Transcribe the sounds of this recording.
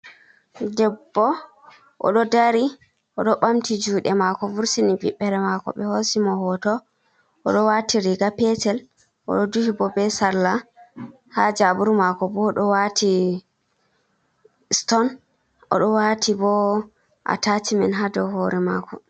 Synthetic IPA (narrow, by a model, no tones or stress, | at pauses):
dɛbːɔ | ʔɔ̰ɗɔdaɾi | ʔɔɗɔɓamtid͡ʒuːɗɛmakɔvuɾsiniviɓːɛɾɛmakɔ̰ɓɛhosimɔhɔtɔ | ɔɗɔwatiɾiɡapɛtɛl | ʔɔ̰ɗɔduhibɔbɛsaɾla | had͡ʒabuɾmakɔbɔɗɔwatʰi | stɔn | ɔ̰ɗɔwatʰibɔ | ʔa̰tatimɛnɦadɔhoːɾɛma̰kʰɔ